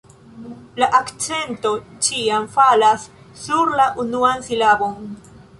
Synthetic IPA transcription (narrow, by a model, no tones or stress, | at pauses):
laʔakt͡se̞nto̞t͡ʃiamfalasː | uɾlaʔunuansilabo̞n